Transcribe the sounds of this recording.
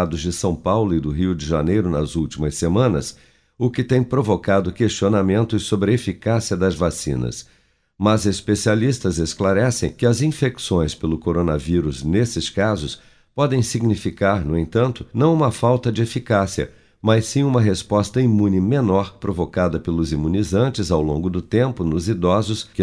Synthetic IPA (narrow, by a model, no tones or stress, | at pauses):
d̪ʊzd͡ʒɪsɐ̃w̃pawlʊɪd̪ʊɦiwd͡ʒɪʒa̰nejɾʊnɐzuwt͡ʃimɐsːemɐ̃nɐ̰s | ʊkɪt̪ẽj̃pɾovokad̪ʊkest͡ʃionamẽnt̪ʊɪsobɾɪefikasiɐd̪ɐzvasḭ̃nɐ̰s | mɐzespesialist̪ɐzesklaɾɛsḛ̃j̃kɪɐzĩfeksõj̃spelʊkoɾonɐviɾʊznesɪskazʊs | pɔd̪ẽj̃siɡnifikaɾnʊẽt̪ɐ̃nt̪ʊnɐ̃w̃ũmɐfawt̪ɐd͡ʒɪefikasiɐ̰ | majsĩũmɐɦespɔst̪ɐimũnɪmẽnɔɾpɾovokad̪ɐpelʊzimũnizɐ̃nt͡ʃɪzawlõ̰ɡʊd̪ʊt̪ẽmpʊnʊzid̪ɔzʊsk